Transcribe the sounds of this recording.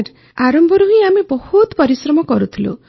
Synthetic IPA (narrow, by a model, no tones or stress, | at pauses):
ɾ | aɾɔmbʱɔɾuɦĩamebɔhut̪pɔɾisɾɔmɔkɔɾut̪ʰilṵ